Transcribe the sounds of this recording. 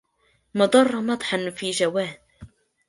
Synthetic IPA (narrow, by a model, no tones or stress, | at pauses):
mɑd̪ˤɑrˤːɑmɑd̪ˤħɑnfiːʒawaːd